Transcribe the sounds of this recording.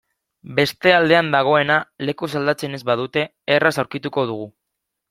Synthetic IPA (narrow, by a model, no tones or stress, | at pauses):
be̞st̪e̞ald̪e̞and̪aɣ̞o̞e̞nale̞kus̬ald̪at͡se̞ne̞zβað̞ut̪e̞ːrasawɾkit̪uko̞ð̞uɣ̞u